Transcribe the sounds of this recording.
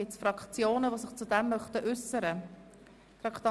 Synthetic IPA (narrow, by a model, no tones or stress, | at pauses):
ɪsfɾɑkχt͡sjoːnəʋosɪχt͡sudɛmːœχtəʔʏsəɾə | fɾɑkt̪ɑ